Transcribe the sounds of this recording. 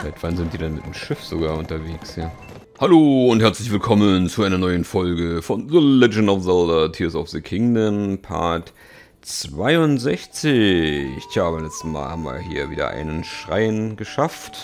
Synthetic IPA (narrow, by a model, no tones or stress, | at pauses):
fɪlaɪçtv̥anzɪntd̥iːdɛnmɪtd̥emʃɪfz̥oɡaːɐʊntɐveːksjaː | haloːʊnthɛɐt͡slɪçv̥ɪlkʰɔmənt͡suʔaɪnɐnɔʏənfɔlɡəfɔnðəlɛd͡ʒn̩aʊfzɛldɐtʰiːɐsaʊfð̥əkʰɪŋdəmpʰa̰ɐk | t͡sv̥aɪʊnzɛçt͡sɪ | jaːbmlɛt͡stəma̰ːlha̰mvḭɐhḭːɐvḭːdɐ̰ʔa̰ɪnənʃʁ̥a̰ɪənɡəʃaft